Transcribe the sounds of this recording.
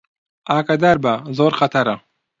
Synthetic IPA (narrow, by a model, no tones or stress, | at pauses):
aːkɐd̪aɾbɐzoːɾqɐt̪ʰɐɾɐ